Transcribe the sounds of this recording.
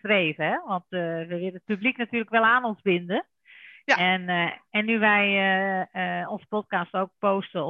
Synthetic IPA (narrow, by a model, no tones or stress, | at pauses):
treːvəɦɛʋɔntʋəʋɪləətpybliknatyːləkʋɛlˠaːnonzbɪndə | ɛnɛnːyʋɛj | onz̥ə̥pɔt̚kastowk̚poːstə